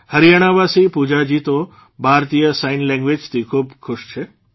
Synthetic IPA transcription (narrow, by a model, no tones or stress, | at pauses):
həɾijaɽ̃aʋasipud͡ʒad͡ʒit̪o | bʱaɾt̪ijəsainlɛ̃ŋɡʋed͡ʒt̪ʰikʰuːbkʰʊʃt͡ʃʰe